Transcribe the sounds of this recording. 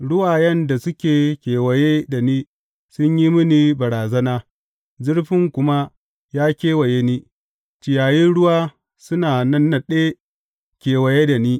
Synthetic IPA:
ɽʊ˦waː˨jɐ˦nda˨sʊ˦kʲeː˨kʲeː˨wɐ˨je˦da˨niː˦ | sʊ˦ɲji˦mʊ˦niː˦bɐ˨ɾaː˨zɐ˦naː˦ | zʊ˦rɸɪ˦ŋkʷʊ˦ma˦ | jaː˦kʲeː˦wɐ˨je˦niː˦ | t͡ʃɪ˨jaː˨jɪ˦nɽʊ˦waː˦ | sʊ˦naː˨nɐ˦nːɐ˨ɗeː˦ | kʲeː˨wɐ˨je˦da˨niː˦

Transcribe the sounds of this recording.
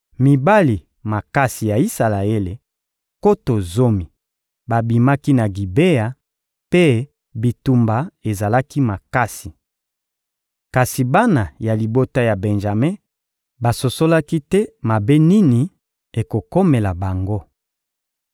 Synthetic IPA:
mi˨ba˦li˨ | ma˨ka˦si˨ja˨i˦sa˨la˨e˦le˨ | ko˦to˨zo˦mi˨ | ba˨bi˨ma˦ki˦na˨ɡi˨be˦a˨ | pe˦ | bi˨tu˨mba˨e˨za˨la˦ki˦ma˨ka˦si˨ | ka˨si˨ba˦na˨ja˨li˨bo˦ta˦ja˨bɛ˨nʒa˨me˦ | ba˨so˨so˦la˦ki˦tɛ˦ma˨be˦ni˦ni˨ | e˨ko˨ko˦me˨la˨ba˨ŋɡo˦

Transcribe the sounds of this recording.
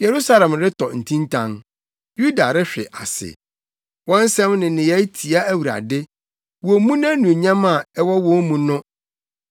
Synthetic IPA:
jɛ˨ɾu˦sa˦lɛ̃˨mɾɪ˦tʰɔ˨n̩˨tʰĩ˦ntʰã˦n | ju˦da˨ɾɪ˦ɕᶣɪ̰˨ʔa̰˨sɪ̰˨ | wɔ̃˦n̩˦sɛ̃˦mnɪ̃˨nɪ̃˨jɛ˦tʰi˨a˦æ˦wu˨ɾa̰˨dɪ˦ | wɔ˨mũ˦nã˦nũ˨e˨ɲã˦ma˨ɛ˦wɔ˦wɔ̃˦mũ˦nʊ̃˦

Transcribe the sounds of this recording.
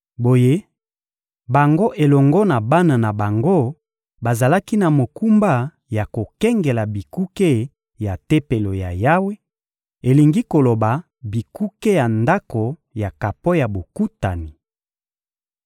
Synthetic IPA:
bo˨je˦ | ba˨ŋɡo˦ʔe˨lɔ˨ŋɡɔ˦na˨ba˦na˨na˨ba˨ŋɡo˦ | ba˨za˨la˦ki˦na˨mo˨ku˦mba˦ | ja˨ko˨kɛ˦ŋɡe˨la˨bi˨ku˦ke˦ | ja˨te˦pe˨lo˨ja̰˨ja˦we˦ | e˨li˨ŋɡi˦ko˨lo˨ba˨ | bi˨ku˦ke˦ja˨nda˦ko˨ja˨ka˨po˦ja˨bo˨ku˦ta˨ni˨

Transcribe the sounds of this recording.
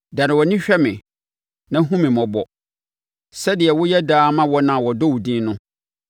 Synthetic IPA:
da˨nɪ̃˨wɔ˨nɪ̃˦ɕᶣɛ˦mɪ̃˨ | nã˦ɦũ˦mɪ̃˨mɔ̃˨bɔ˨ | sɛ˦dɪ˨ɛ˨wʊ˦jɛ˦daː˦mã˦wɔ˦nã˨wɔ˨dɔ˦wu˨dĩ˦nʊ̃˦

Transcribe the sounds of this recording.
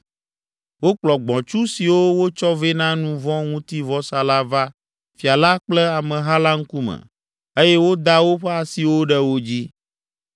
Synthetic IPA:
wo˦k͡plɔ˨ɡ͡bɔ̃˨t͡ʃu˦si˨wo˦wo˦t͡ʃɔ˦ve˦nã˦nũ˦vɔ̃˦ŋũ˦t̪i˦vɔ˦sa˨la˦va˦ | fi˨a˨la˦k͡plɛ˦a˨mɛ̃˨ɦa˦la˦ŋ̩˦ku˦mɛ̰̃˨ | e˦jɛ˦wo˦d̪a˦wo˦ɸɛ˦a˨si˨wo˦ɖɛ˦wo˦d͡ʑi˦

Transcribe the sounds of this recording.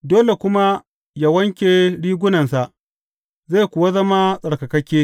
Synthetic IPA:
doː˦le˨kʷʊ˦ma˦ | ja˦wɐ˦ŋkʲeː˨ɽiː˦ɡʷʊ˦nɐ˨nsa˨ʔ | ze˦˨kʷʊ˨wa˦zɐ˦ma˦sʼɐ˨ɽkɐ˨kɐ˦kʲeː˦

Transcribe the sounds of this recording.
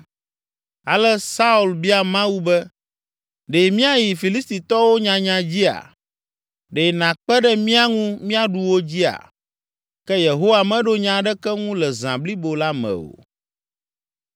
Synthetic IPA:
a˨lɛ˦sa˦u˨lbi˦a˨mã˦wu˦bɛ˦ | ɖe˨mĩ˦a˦ji˨fi˨li˦st̪i˨t̪ɔ˦wo˦ɲã˨ɲã˨d͡ʑi˦a̰˨ | ɖe˨nã˨k͡pɛ˦ɖɛ˦mĩ˦a˦ŋũ˦mĩ˦a˨ɖu˨wo˦d͡ʑi˦a̰˨ | kɛ˦je˨ɦo˦wa˨mɛ̃˦ɖo˦ɲã˨ɖɛ˦kɛ˦ŋũ˦lɛ˨zã̰˨bli˦bo˨la˦mɛ̰̃˨o̰˨

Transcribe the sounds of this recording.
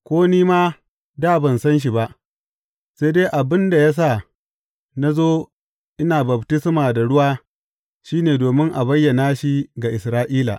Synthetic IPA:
kʷoː˦niː˦maː˦ | daː˦˨bɐ˨nsɐ˦nʃ̬i˨ba˦ʔ | se˦deː˦ʔa˨bɪ˦nda˨ja˦s̬a˦˨ | na˦zoː˦ | ʔɪ˦naː˨bɐ˨btɪ˦smaː˨da˨ɽʊ˦waː˦ | ʃiː˦neː˨doː˨mɪ˦ŋʔa˨bɐ˦jːɐ˨naː˦ʃi˦ɡa˨ʔɪ˨sɾaː˦ʔiː˦la̰˨

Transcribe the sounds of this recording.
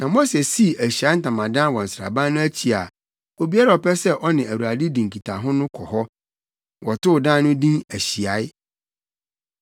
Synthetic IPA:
nã˨mo˦sɛ˨si˦æ˨ɕi˨a˨˦n̩˦tã˨mã˨dã˦n˦wɔ̃˨n̩˨sɾa̰˨bã˦nnʊ̃˦æ˦t͡ɕʰi˨a˨ | o˨bi˦a˦ɾa˨ɔ˨pɛ˦sɛ˦ʔɔ˦nɪ̃˨æ˨wu˨a˨di˦dĩ˨ŋ˨kʰi˨tʰa˨ɦʊ̃˦nʊ̃˦kʰɔ˨hɔ˦ | wʔɔ˨tʊ˦ʊ˨dã˦nʊ̃˦dĩ˦næ˨ɕi˨a˨˦ɪ˦

